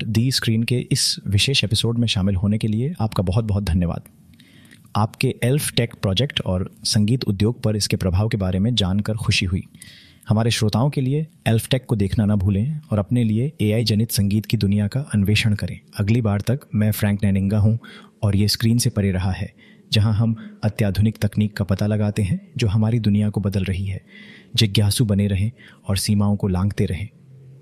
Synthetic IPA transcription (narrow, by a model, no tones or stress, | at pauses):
d̪iːskɾiːnkeʔɪsʋɪʃeːʃeːpɪsoːɖmẽʃaːmɪlɦoːnekelieaːpkabɐɦʊt̪̚bɐɦʊt̪̚d̪ʱɐnjəʋa̰ːd̪ | aːpkeʔɛlfʈɛːkpɾɔːd͡ʒɛkʈɔːɾsɐ̃ŋɡiːt̪ʊ̰d̪joːɡ̚pɐɾɪskepɾɐbʱaːʋkebaːɾemẽd͡ʒaːnkəɾxʊʃiɦʊḭː | hɐmaːɾeʃɾoːt̪aːõkelieɛlfʰʈɛːkːod̪eːkʰnanɐbʱuːlẽɔːɾɐpnelieeːaːid͡ʒɐnɪt̪sɐ̃ŋɡiːt̪kid̪ʊnijakaʔɐnʋeːʃəɽ̃kɐɾẽːɐɡlibaːɾt̪ɐkmɛ̃fɾɛ̃ːŋknɛːnɪ̃ŋɡaɦũɔːɾjeskɾiːnsepɐɾeɾɐɦaɦɛː | d͡ʒɐɦãɦɐmɐt̪jaːd̪ʱʊnɪkt̪ɐkniːkːapɐt̪alɐɡaːt̪eɦɛ̃d͡ʒoːɦɐmaːɾid̪ʊnijakobɐd̪əlɾɐɦiɦɛːd͡ʒɪɡjaːsũbɐneɾɐɦẽ | ɔːɾsiːmaːõkolãːŋɡt̪eɾɐɦẽː